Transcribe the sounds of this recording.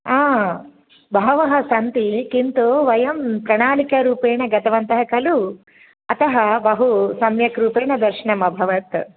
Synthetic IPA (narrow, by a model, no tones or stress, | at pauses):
aː | bʱɐɦɐʋɐɦɐsɐnt̪ikint̪oːʋɐjɐmpɾɐɳaːlikɐɾuːpeːɳɐɡɐt̪ɐʋɐnt̪ɐɦɐkɐlu | ɐt̪ɐɦɐbɐɦusɐmjɐkɾuːpeːɳɐd̪ɐɾʃɐɳɐmɐbʱɐʋɐt̪